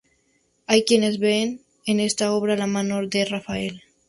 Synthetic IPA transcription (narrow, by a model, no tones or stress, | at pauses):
ajkjenezβeːn | enest̪aoβɾalamanoɾd̪erafael